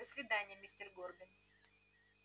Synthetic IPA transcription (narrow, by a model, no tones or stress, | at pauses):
əsʲvʲɪd̪anʲɪjəmʲɪsʲtʲɪrɡorɡəmʲ